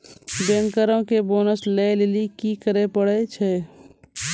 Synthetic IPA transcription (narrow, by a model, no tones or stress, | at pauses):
bẽŋkəɾõkeboːnəslelelikikəɾepəɽet͡ʃʰe